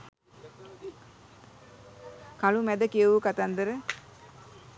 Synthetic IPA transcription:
kalumæd̪əkiəʋukat̪and̪əɾə

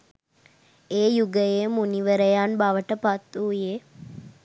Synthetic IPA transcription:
eːjuɡəjemuniʋəɾəjanbaʋəʈəpat̪ːuːje

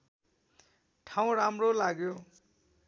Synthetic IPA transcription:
ʈʰaw̃ɾamrolaɡjo

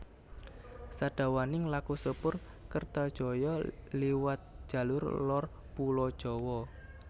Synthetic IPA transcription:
saɖ̥a̤wanɪŋlakusəpʊr | kərt̪ɔd̥ʒ̥ɔ̤jɔliwat̪̚ʒ̥a̤lʊrlɔr | pulɔd̥ʒ̥ɔ̤wɔ

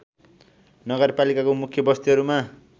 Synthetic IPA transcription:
nʌɡʌrpalikakomukʰjʌbʌst̪iɦʌɾuma

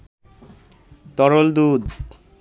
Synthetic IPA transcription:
t̪ɔɾold̪ud̪

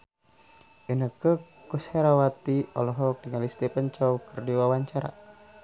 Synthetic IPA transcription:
ʔinəkə | kusheɾawat̪iɔlɔɦɔk̚diŋalist̪epənt͡ʃɔukərdiwawaɲt͡ʃaɾa̰

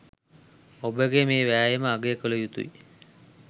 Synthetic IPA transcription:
obəɡemeːʋæːjeməaɡeːkələjut̪ṵḭ

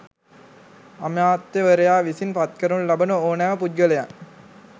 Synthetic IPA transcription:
ɐmjaːt̪jəʋəɾejaːʋisinpɐt̪kəɾunlɐbɐnuoːnæːʋəpuɡəlejaŋ

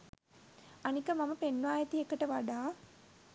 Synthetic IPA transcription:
anikəmaməpenːʋaːjet̪iekəʈəʋaɖaː

